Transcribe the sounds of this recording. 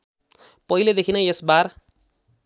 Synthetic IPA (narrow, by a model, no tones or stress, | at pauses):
pʌɦiled̪ekʰinʌjesbar